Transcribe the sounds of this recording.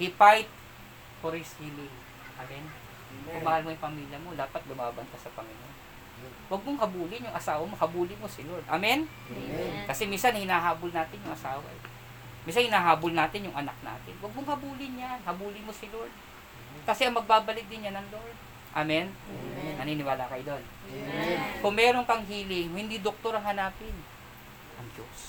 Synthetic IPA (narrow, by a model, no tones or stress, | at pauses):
hɪpajt̪̚ | poɾishilɪŋ | ʔamɛn | kʊmaːhɐlmojʊŋpɐmiːljɐmo̞d̪aːpɐt̪̚ɡʊmaːbɐnt̪asɐpɐmiljɐ | wɐɡ̚moŋhɐbuːlɪnjʊŋʔɐsaːwɐmohɐbuːlɪmo̞sɪloɹd̪ʔamɛn | kɐsɛminsɐanhɪnaːɦaːbolnaːt̪ɪnjʊŋʔɐsaːwɐ̰j | mins̬anhɪnaːɦaːbolnaːt̪ɪnjʊŋʔɐna̰k̚na̰ːt̪ɪnwɐɡ̚moŋhɐbuːlɪnjanhɐbuːlɪmosɪloɹd̪̚ | kɐsɛʔɐŋmɐɡ̚baːbɐlɪk̪̚d̪ɪnjanɐŋloɹd̪̚ | ʔamɛnnɐniːnɪwaːlɐkɐjd̪on | kʊŋmɛːɾo̞ŋkɐŋɦiːlɪŋhɪnd̪id̪ok̚t̪o̞ɾɐŋhɐnaːpɪn | ʔɐŋd͡ʒo̰s